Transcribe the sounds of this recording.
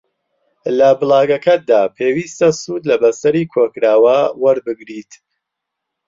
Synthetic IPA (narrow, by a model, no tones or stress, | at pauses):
lɐbɨlˠaːɡɐkɐt̪̚d̪aːpʰeːwiːst̪ɐsuːd̪lɐbɐsɐɾiːkʰoːkɾaːwawɐɾbɨɡɾiːt̪